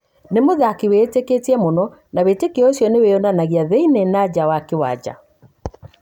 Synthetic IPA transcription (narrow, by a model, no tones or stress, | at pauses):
nemoðakiweteketiɛmonɔ | nawetekeɔosjɔneweɔnanaɣiaðeinenad͡ʑawakewa̰d͡ʑa̰